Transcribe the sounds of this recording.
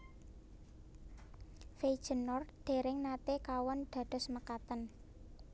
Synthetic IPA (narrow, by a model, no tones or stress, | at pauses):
feid̥ʒ̥ə̤nɔrɖ̪̥e̤ɾɪŋnat̪ekawɔnd̪̥a̤ɖ̪̥ɔ̤sməkat̪ən